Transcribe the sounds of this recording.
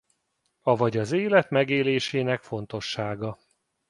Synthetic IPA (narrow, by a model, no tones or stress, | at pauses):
ɒvɒɟɒzeːlɛt̪mɛɡeːleːʃeːnɛkfo̞nt̪o̞ʃːaːɡɒ